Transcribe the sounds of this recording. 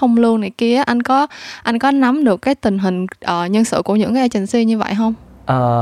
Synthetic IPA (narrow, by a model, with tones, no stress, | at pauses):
xə˧wŋ͡mlu˧ənna˨˩ki˧ə˦ʔa˧jŋ̟kɔ˨˦ʔa˧jŋ̟kɔ˨˦na˨˦mɗɨ˨˩əkːaː˨˦jt̪ï˨˩ŋ̟ɦï˨˩ŋ̟ʔəː˨˩ɲə˧nsɨ̰˧˨ku˧˩əɲɨ̰˧˥ŋka˨˦˧t͡ɕï˨˩ŋ̟si˧ɲɨ˧və̰˧˨jɦə˧wŋ͡m | ʔəː˨˩